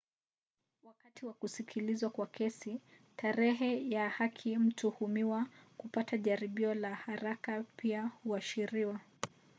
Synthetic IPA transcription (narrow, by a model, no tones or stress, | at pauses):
wakatʰiwakusikʰilizwakwakɛsi | tʰaɾɛɦɛjahakʰim̩tuhumiwakupataʄaɾiɓiɔlahaɾakapiahuaʃiɾiwa